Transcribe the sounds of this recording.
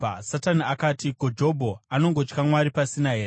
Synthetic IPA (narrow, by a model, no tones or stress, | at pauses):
sataniakaːtikod͡ʒo̞bʱo̞ano̞ŋɡo̞t͡ʃkamwaɾipasinaɦe̞ːre